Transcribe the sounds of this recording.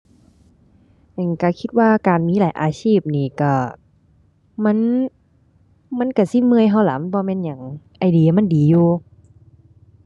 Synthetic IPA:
a˧˨˩nka˧˩kʰi˧t̪̚waː˧˩˨kaː˨nmiː˧˥laː˨˦jʔaː˨˧siː˧˥˩p̚niː˧˩ka˧˩ | ma˧˥˨n | ma˧˥˨nka˧˩si˧˥˨mɯ˧ə˨jɦa˧˩wla̰˨˦m˧˨bɔː˧mɛː˧˨nɲa˨˩ŋʔa˨jdi˨˧˨ɐ˨ma˧˥˨ndiː˨˦juː˧

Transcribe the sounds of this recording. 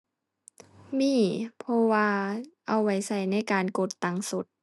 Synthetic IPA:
miː˧˥˨pʰɔ˧waː˧ʔa˨˩wːa˧˩jsa˧˩jna˧˥˨jkaː˨nko˧˩t̪ːa˧ŋso˧˦t̪̚

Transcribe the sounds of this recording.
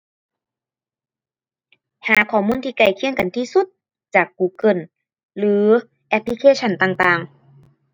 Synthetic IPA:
haː˨˩˦kʰɔː˧˩muː˧˥˨nt̪ʰiː˧ka˧˩jkʰi˧˥əŋka˨nt̪ʰiː˧˨su˧˩t̪̚ | t͡ɕaː˨˩kːuː˨˩kɤ˧˩˨n | lɯː˨˦ | ʔɛ˧˥pʰli˧kʰeː˧˨t͡ɕʰa˧˩˨nt̪aː˨˩ŋt̪aː˨˩ŋ

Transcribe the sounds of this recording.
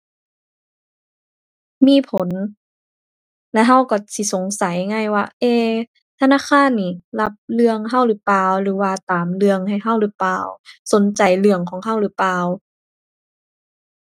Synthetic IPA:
miː˧˥˨pʰo˨˦n | lɛ˧˥ɦa˧˥˩wkɔ˧˩si˧˦so˨˦ŋsa˨˦jŋa˧˥˩jwaː˧˩ʔeː˧˩˨ | t̪ʰa˧naː˧˥˨kʰaː˧˥˨nːiː˧˩la˧p̚lɯ˧əŋɦa˧˥˩wlɯː˨˦plaː˧wlɯː˨˩˦waː˧t̪aː˨˦mlɯ˧əŋha˨˩jɦa˧˥˩wlɯː˧˦plaː˧wso˨˦nt͡ɕa˨˩jlɯ˧˩əŋkʰɔː˨˦ŋɦa˧˥˩wlɯː˨˩˦plaː˧˨w

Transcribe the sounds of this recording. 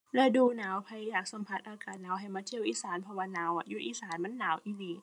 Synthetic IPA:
lɛː˧˩duː˧naː˨˦wpʰa˧jjaː˨˩k̚sa˨˦mpʰa˧t̪̚ʔaː˧kaː˨˩t̪̚naː˨˦wɦa˧˩jmaː˧˥t̪ʰi˧˩əwʔiː˧˩saː˨˩˦npʰɔ˧waː˧naː˨˦wʔa˧˩juː˧˩ʔiː˧˩saː˨˩˦nma˧˥˨nːaː˨˦wʔiː˧liː˧˩

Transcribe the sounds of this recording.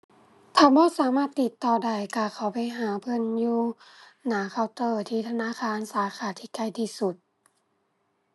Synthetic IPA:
t̪ʰaː˧˩bɔː˧˥˨saː˨˦maː˧˥˩t̪ːi˨˧˩t̪ːɔː˧˩da˧˩jka˧˩kʰa˧˩wpa˧˨jɦaː˨˦pʰɤ˧˥˨njuː˧naː˨˦kʰa˧˩wt̪ɤː˧˩t̪ʰiː˧˩t̪ʰa˧naː˧˥˨xʰaː˧˥˨nsaː˨˦xʰaː˧˦t̪ʰiː˧˨ka˧˩jt̪ʰiː˧˩su˧˩t̪̚

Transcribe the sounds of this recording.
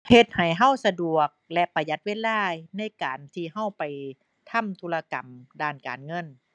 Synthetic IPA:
he˧t̪̚ha˨˩jɦa˧˥˩wsa˧du˨˩ək̚lɛ˧ʔpa˧ja˧˦˥t̪̚weː˧˥˨laː˧˥˩jna˧˥˨jkaː˨˩nt̪ʰiː˧˩ɦa˧˥˩wpa˨˩j | t̪ʰa˧˥˨mt̪ʰu˧la˧ka˨˩mdaː˧˩nka̰ː˨nŋɤ˧˥˨n

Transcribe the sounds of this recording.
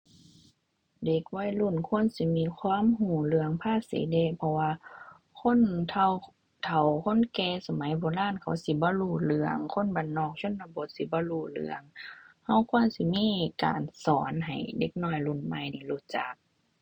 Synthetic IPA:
de˧˩k̚wɔː˧˥˨jlu˧˩˨nkʰu˧˥˨ə˨nsi˧˦miː˧˨kʰwaː˧˥˨mhuː˧˩lɯ˧˨əŋpʰaː˧˥˨sḭː˨˦de˧˨pʰɔ˧waː˧ | kʰo˧˥˨nt̪ʰ | t̪ʰa˨˩wkʰo˧˥˨nkɛː˧˩sa˧ma˨˦jbɔː˧˦laː˧˥˨nkʰa˨˦wsi˧˦bɔː˧˦luː˧˩lɯ˧˦əŋkʰo˧˥˨nba˨nːɔː˧˩k̚sʰo˧˥˨nla˧bo˧˦t̪̚si˧˦bɔː˧˦luː˧˩lɯ̰˧˦əŋha˧˩wkʰu˧˥ənsi˧˦miː˧˥˨ka̰ː˨nsɔː˨˦nɦa̰˨˩jde˧˦k̚nɔː˧˩jlu˧˩˨nma˧˨jniː˧˩˨luː˧˩t͡ɕa˨˦k̚

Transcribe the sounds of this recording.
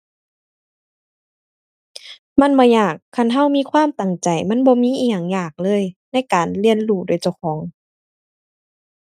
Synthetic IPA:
ma˧˥˨nbaː˧jaː˧˩kʰːa˧˩˨nɦa˧˥˨wmiː˧˥˨kʰwaː˧˥˨mt̪a˨˩ŋt͡ɕa˨˩jma˧˥˨nbɔː˧˦miː˧˥˨ʔiː˧˩jaː˨˩ŋjaː˧˩k̚lɤː˧˥˨jna˧˥˨jkaː˨˩nli˧˩ənluː˧˩doː˨˩˦jt͡ɕa˧˩wxʰɔː˩˦ŋ

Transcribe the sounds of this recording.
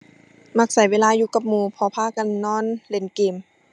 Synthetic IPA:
ma˧˩k̚sa˨˩˦jweː˧˥˨laː˧˨juː˧˨ka˧˦p̚muː˧pʰɔː˧˦pʰaː˧˥˨ka˧˨nːɔː˧˥˨nle˨˦nkeː˨˦m

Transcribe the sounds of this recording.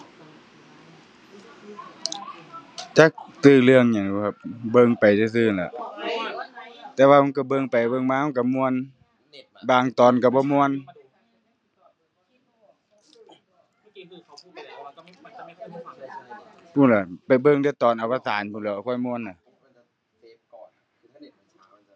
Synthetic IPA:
t͡ɕa˧˩k̚sɯː˧˩lɯ˧əŋɲa˧˩˨ŋu˧kʰa˧˩p̚bɤ˧ŋpa˨jsa˧s̬ɯː˧˨nla̰˧˨ʔ | t̪ɛː˧waː˧ma˧˨nka˧˩bɤ˧˨ŋpa˨˩jbɤ˧˨ŋmaː˧˨ma˧˥˨ka˧˩mu˧ən | baː˨ŋt̪ɔː˨nka˧˩bɔː˧˦mu˧ə˨n | pʰuː˧˨la˧˩pa˨˩jbɤ˧˨ŋda˧˨t̪ɔː˨˩nʔa˨wpa˧saː˨˦npʰuː˧˨lɛ˧˩wa˧˩kʰɔ˧˩˨jmu˧ə˨na˧˩

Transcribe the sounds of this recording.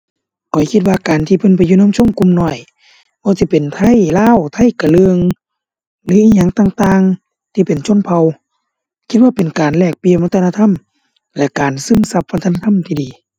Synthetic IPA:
kʰɔ˨˩jkʰi˧t̪̚waː˧kaː˨˩nt̪ʰiː˧pʰɤ˧˨npa˨jːuː˧˨no˧˥˨mt͡ɕʰo˧˥˨ŋku˧˨mnɔː˧˩j | bɔː˧si˧pe˨nt̪ʰa˧˥˨jlaː˧˥˨wt̪ʰa˧˥˨jka˨˩lɯ˧əŋ | lɯː˨˦iː˧˥ɲaː˧˨ŋt̪aː˧ŋt̪aː˧ŋ | t̪ʰiː˧pe˨nt͡ɕʰo˧˥˨npʰa˧w | kʰi˧t̪̚aː˧pe˨nkaː˨˩nlɛː˧˩k̚pi˧˨ma˧t̪ʰna˧t̪ʰa˧˥˨m | lɛ˧kaː˨nsɯ˧˥˨msa˧p̚ːa˧t̪ʰa˧na˧a˧˥˨mt̪ʰiː˧diː˨˩

